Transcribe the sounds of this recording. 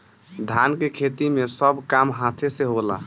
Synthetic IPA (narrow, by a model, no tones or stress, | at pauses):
d̪ʱankekʰet̪imesəbʱkamɦat̪ʰeseɦola̰